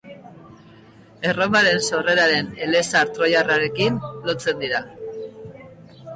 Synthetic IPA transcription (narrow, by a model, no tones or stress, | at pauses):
e̞ro̞maɾe̞nso̞re̞ɾaɾe̞ne̞lesaɾt̪ɾo̞jaraɾe̞kinlo̞t͡se̞nd̪iɾa